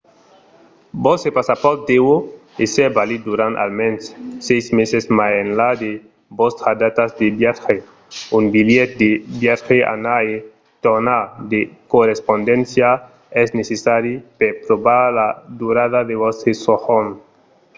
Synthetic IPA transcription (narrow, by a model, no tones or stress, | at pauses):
bosepasapɔɾt̪̚d̪ewoesebalid̪uɾana̰lmensːejzmesesmaenlad̪e | bost̪ɾad̪at̪azd̪ebjaxe | umbiljet̪̚d̪ebjaɾxeʔa̰nae | t̪onad̪ekorespond̪ẽnsja | ɛznesesaɾjipepɾoβaɾlad̪uɾaðaðeβosesohon